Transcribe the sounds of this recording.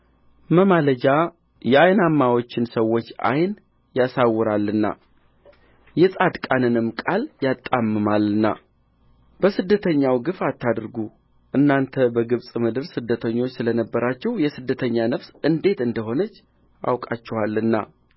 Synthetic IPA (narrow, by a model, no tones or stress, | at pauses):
məmaləd͡ʒa | jɛajnamːawo̞t͡ʃːɪnsəwːo̞t͡ʃːa̰jn | jasawːɨɾalːɨnːa̰ | jɛsʼad̪kʼanɨnɨmːkʼaljat̪ʼːamːɨmalːɨnːa̰ | b̥əsɨd̪ːət̪ʰəɲːawɡɨfat̪ʰːad̪ɾɨɡu | ʔɨnːant̪ʰəbəɡɨβsʼmɨd̪ɨɾsɨd̪ːət̪ʰəɲːo̞t͡ʃːsɨlənəbːəɾat͡ʃːɛwjɛsɨd̪ːət̪ʰəɲːanəfsɨnd̪e̞t̪ɨnd̪əɦo̞nət͡ʃː | ʔa̰wkʼat͡ʃːɛwalːɨnːa̰